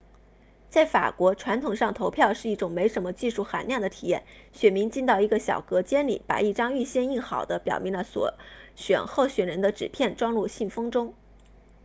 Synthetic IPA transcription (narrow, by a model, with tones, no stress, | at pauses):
t͡sa˥˩ɪfa̰˨˩kwɔ˧˥ʈ͡ʂʰwa˧˥nt̪ʰʊ˨˩ŋʂɑ˥˩ŋt̪ʰo˧˥ʊpʰjɑ˥˧ʊʂɻ̩˥˧i˥˩ʈ͡ʂʊ˨˩ŋme˧˥ɪʂə˧˥nmə˧t͡ɕi˥˧ʂu˥˩xa̰˧˥nljɑ˥˩ŋd̪ə˩t̪ʰḭ˨˩jɛ̰˥˩nɕɥɛ˨˩nmi˧˥ŋt͡ɕi˥˧nt̪ɑ˥˩ʊi˧˥ɡə˧ɕjɑ̰˨˩ʊkɤ˧˥t͡ɕjɛ˥nlḭ˨˩pa̰˨˩i˥˩ʈ͡ʂɑ˥ŋy˥˧ɕjɛ˥˧ni˥˩nxɑ˨˩ʊd̪ə˦pjɑ̰˨˩ʊmi˧˥ŋlə˧swɔ̰˧˥ɕɥɛ̰˨˩nxo˥˩ʊɕɥɛ˨˩nɻə˧˥nd̪ə˧ʈ͡ʂɻ̩˨˩pʰjɛ˥˩nʈ͡ʂwɑ˥ŋlu˥˧ɕi˥˩nfɤ˥ŋʈ͡ʂʊ˥ŋ